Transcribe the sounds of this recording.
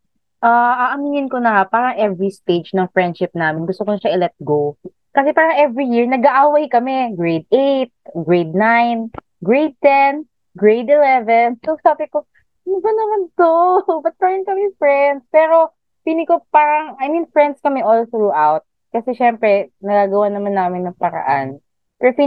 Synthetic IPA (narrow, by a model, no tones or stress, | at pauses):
ʔaʔaʔɐmiŋɪnkonɐhapaːɾɐŋʔɛvɹist̪ejd͡ʒnɐŋfɹɛnd̪ʃɪp̚naːmɪnɡʊst̪okonɐʃaʔɪlɛt̪̚ɡow | kɐsɛpaːɾɐŋʔɛvɹijiɹnɐɡaʔawajkɐmɛɡɹejd̪̚ejt̪̚ɡɹejd̪̚najn | ɡɹejd̪̚t̪ɛn | ɡɹejd̪ɪlɛvɛnsosaːbɪko | nɐbɐnɐmant̪obɐt̪̚paɹnkɐmɛfɹɛnd̪spɛːɾo̞ | pinɪkopaːɾɐŋɐjminfɹɛnd̪skɐmɛʔolθɾuʔawt̪̚ | kɐsɛʃɛmpɾɛnɐɡaːɡɐwanɐmanːaːmɪnːɐŋpɐɾɐ̰ʔan | pɛɾopi